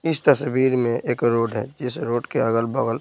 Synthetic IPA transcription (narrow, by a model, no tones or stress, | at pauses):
ɪst̪əswiːɾmẽʔeːkɾoːɖɦɛ̰d͡ʒɪsɾoːʈkeəɡəlbəɡəl